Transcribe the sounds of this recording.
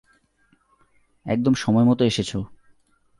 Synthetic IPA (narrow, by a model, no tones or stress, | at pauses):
ɛ̰k̚d̪omʃɔmɔemɔt̪oeʃet͡ɕʰo